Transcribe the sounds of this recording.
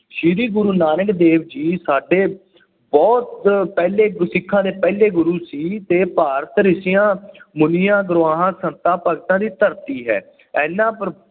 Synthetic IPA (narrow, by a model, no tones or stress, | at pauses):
ʃiːɾiːɡʊɾuːnaːnəkd̪eːʋd͡ʒiːsaːɖeː | bɔːt̪̚pɛːleːɡsɪkʰːãːd̪eːpɛːleːɡʊɾuːsiːt̪eːpaːɾət̪ɾɪsɪjãːmʊnɪjãːɡɾʊãːɦãːsənt̪ãːpəɡt̪ãːd̪iːt̪əɾt̪iːɦɛ̰ː | ɛːnːãːpəɾ